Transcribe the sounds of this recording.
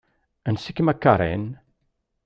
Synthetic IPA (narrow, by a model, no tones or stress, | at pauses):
ənsɪkɪmakʰaɾɛ̰n